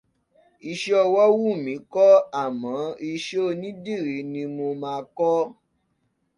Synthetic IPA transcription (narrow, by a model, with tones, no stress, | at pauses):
i˧ʃe˦ɔ˧wɔ˦wu˦˨mĩ˨˦kɔ˦a˦˨mɔ̃˨˦i˧ʃe˦˧nĩ˦di˦˨ɾi˨˦nĩ˧mo˧mãː˧kɔ˦